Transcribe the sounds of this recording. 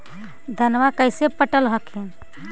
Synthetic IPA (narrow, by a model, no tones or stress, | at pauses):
d̪ʱənʋakəjsepəʈəlɦəkʰin